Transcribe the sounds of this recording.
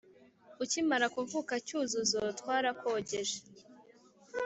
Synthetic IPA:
ucimaɾakuɱvukacuːzuzotwaːɾako̞ɟeʒe̥

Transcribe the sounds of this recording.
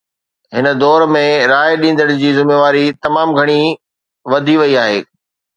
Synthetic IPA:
ɦɪnə̆d̪ɔːɾmẽɾaːɪɗĩːn̆d̪əɽ̃ʊd͡ʑiːzɪmeʋaːɾit̪ɐmaːmɡʱɐɽ̃i | ʋɐd̪ʱiʋɐiaːɦḛː

